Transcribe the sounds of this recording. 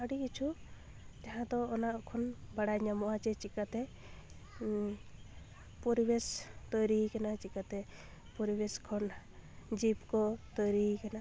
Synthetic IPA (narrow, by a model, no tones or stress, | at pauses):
aɽikit͡ʃʰu | t̪ɛɦãd̪ɔːnakʰɔnbaɽajɲamɔat͡ʃɛt͡ʃikat̪ɛ | pɔɾibest̪ɔjɾikɛnat͡ʃikat̪ɛ | pɔɾibeskʰɔn | d͡ʒipkɔt̪ɔjɾikɛna